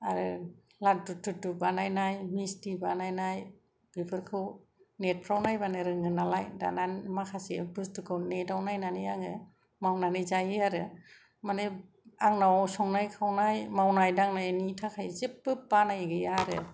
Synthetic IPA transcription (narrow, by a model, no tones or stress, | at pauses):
aɾɯ | lat̚dutʰːɯtːubanajnajmistibanajnaj | b̥ipʰɯɾkʰɯw | net̚pʰɾawnajbanɯɾɯŋɯnalajda̰nanmakʰasibɯstukʰɯwnedawnajnanɯjaŋɯ | mawnanɯjzajɯaɾɯ | manɯ | aŋnawsɔŋnajkʰawnajmawnajdaŋnajanitʰakʰajzepbɯbanajɡɯjaɾɯ